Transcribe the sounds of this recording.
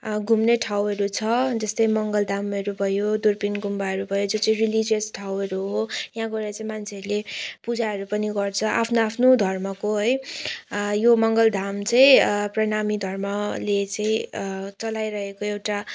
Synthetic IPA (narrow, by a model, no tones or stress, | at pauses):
ɡʱumneʈʰawʌɾut͡sʰʌd͡zʌst̪ʌjmʌŋɡʌld̪ʱamʌɾubʱʌjod̪urpinɡʱumbaʌɾubʱʌjod͡zot͡sʌĩrilid͡zijʌsʈʰawʌɾuɦojãɡoɾat͡sãĩmant͡sʰeʌɾulepud͡zaɦʌɾupʌniɡʌrt͡sʰʌʔapʰnoapʰnod̪ʱʌrmʌkoɦʌj | jomʌŋɡʌld̪ʱamt͡sʌĩprʌnamid̪ʱʌrmʌlet͡sãĩt͡sʌlajɾʌɦekoewʈa